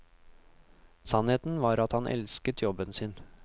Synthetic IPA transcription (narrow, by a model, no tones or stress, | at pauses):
sɑneːt̪n̩ʋɑːɾɑt̪hɑnʔɛ̰lskət̪ʰjɔbənsɪn